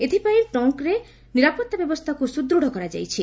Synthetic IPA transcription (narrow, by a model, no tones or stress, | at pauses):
et̪ʰipajʈɔŋkɾe | niɾapɔt̪ːabɛbost̪ʰakusud̪ɾuɽ̤ʱɔkɔɾad͡ʒa̰jt͡ɕʰi